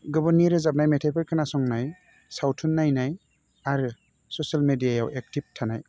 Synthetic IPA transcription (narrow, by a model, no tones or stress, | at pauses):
ɡɔbɔɾniɾɯzap̚najmetʰapʰɯɾkʰɯnasɔŋnaj | sawtʰunːajnaj | aɾɯ | sɔsalmedijaja̰wʔek̚tib̚tʰanaj